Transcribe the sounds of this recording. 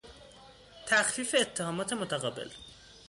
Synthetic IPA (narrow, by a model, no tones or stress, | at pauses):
t̪ʰæxfiːfe̞ːt̪ʰːehɒːmɒːt̪ʰe̞mot̪ʰæɣɒːbḛl